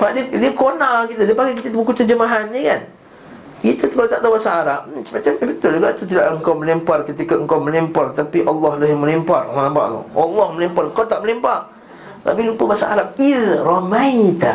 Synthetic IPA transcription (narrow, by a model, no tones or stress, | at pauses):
padidikonalkit̪adipaɡak̬it̪at̪ubəkut̪əd͡ʒəmaɦanɲəkan | kit̪at̪u̥kalat̪aʔt̪awbasaːɾap̚əmat͡ʃambət̪ʊld͡ʒuɡaʔt̪ut̪idaʔəŋkawməlimparkət̪ikaəŋkawməlimpart̪apiʔɑlːɔhlaɦɪməlimparəlampa̰ʔl̰ʔɑlːɔhməlimparəŋkawt̪aʔməlimpar | t̪a̰pilupəbasaʔaɾap̚ilromait̪a